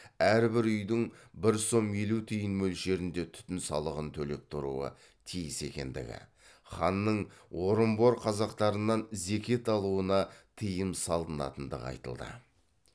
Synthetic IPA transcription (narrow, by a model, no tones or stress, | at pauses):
æɾbɪɾʏjd̪ɪŋbɪɾso̞mjelut̪ʰijɪnmɵlʃe̞ɾɪnd̪e̞t̪ʰʏ̥t̪ɪnsɑ̰lˠəʁənt̪ʰɵle̞p̚t̪ʰʊɾṵə̰ | t̪ʰijɪse̞̰kʲe̞̰nd̪ɪ̰ɡʲɪ̰ | χɑnːəɴwo̞ɾəmbo̞ɾqʰɑzɑqt̪ɑɾənːɑnze̞kʲe̞t̪ɑlˠuənɑt̪ʰijəmsɑlˠd̪ənɑ̰t̪ənd̪ə̰ʁɑ̰jt̪ə̰lˠd̪ə̰